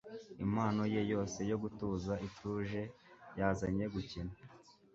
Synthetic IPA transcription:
imaːno̞jejo̞ːse̞jo̞ɡutuːzaituːʒe̞jaːzaɲe̞ɡucina

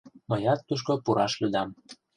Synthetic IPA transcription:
mɤjɑt̪ːuʃ̬kopuɾɑʃlyd̪ɑm

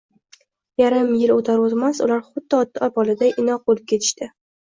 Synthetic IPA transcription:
jaɾɪmjɪlot̪ʰaɾozmasʊlaɾχʊd̪ːɪɒt̪ːɪɒpɒlɪd̪aʔɪnɒq̚olˠɪp̚kʲʰe̞t̪ʰɪ̥ʃt̪ɪ

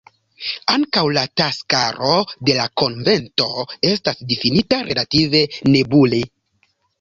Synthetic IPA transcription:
aŋkawlataskaɾo̞de̞lako̞nve̞nto̞e̞s̬tasdifinitaɾʔe̞lative̞ne̞bule

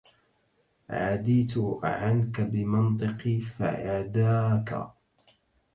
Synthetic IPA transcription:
ʕad̪iːt̪ʊʕankabɪmɨnt̪ˤɨqifa̰ʔad̪aːka̰

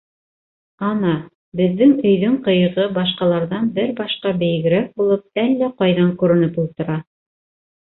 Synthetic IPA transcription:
ɑnɑ | bɘ̆ðːɘŋɵ̆jðɵŋqɤ̆jɤ̆ʁɤbɑʃqɑlˠɑɾðɑnbɘɾbɑʃqɑbɘ̆jɘ̆ɡɘ̆ɾæk̚bulˠɤp̚ælːæqɑjðɑŋkʉɾɘ̆nɘpulˠt̪ɤ̆ɾɑ

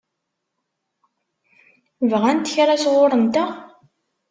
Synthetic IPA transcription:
vʁænt̪ːə̥çɾasʁoɾˤənt̪æ

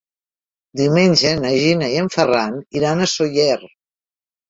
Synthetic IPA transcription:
d̪iwmenʲʒənəʒinəiəɱfəraniɾanəsojɛr

